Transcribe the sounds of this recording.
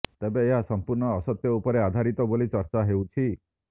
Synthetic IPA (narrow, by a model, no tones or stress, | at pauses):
t̪ebeːɦasɔmpuɾɳɔːsɔt̪jɔupɔɾead̪ʱaɾit̪ɔbolit͡ʃɔɾt͡ʃaɦewt͡ʃʰi